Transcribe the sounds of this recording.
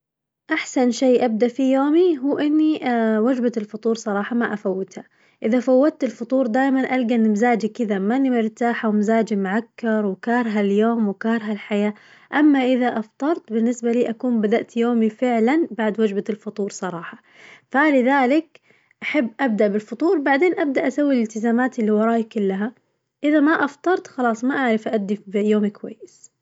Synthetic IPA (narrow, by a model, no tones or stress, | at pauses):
ʔaħsanʃeːʔab̚d̪aʔfijoːmiɦuːʔɪnːiwad͡ʒbaɪlfʊt̪ˤuːɾˤsˤɑɾˤɑːħɑmaʔafawːɪd̪ha | ʔɪðafawːad̪̚t̪ɪlfʊt̪ˤuːɾˤd̪aːjmanʔalɡanmzaːd͡ʒikɪðamanːimɪɾt̪aːħawɪmzaːd͡ʒimʕakːɑɾˤwɪkɑːɾˤɦaljoːmwɪkɑːɾˤɦalħajaː | ʔamːaʔɪðaʔɑft̪ˤɑɾˤt̪bɪnːɪsbaliːʔakuːmbad̪aʔt̪joːmifɪʕlanbaʕd̪wad͡ʒbaɪlfʊt̪ˤuːɾsˤɑɾˤɑːħɑ̥ | falɪðaːlɪk | ʔaħabːʔab̚d̪aʔbɪlfʊt̪ˤuːɾbaʕd̪eːnʔab̚d̪aʔːasawːilɪlt̪ɪzaːmaːt̪ɪlːiwɑɾˤɑːʔikʊlːaɦa | ʔɪðamaʔɑft̪ˤɑɾˤt̪xɑlɑːsˤmaʔaʕɾɪfʔaʔad̪ːibɪjoːmikwa̰jːɪs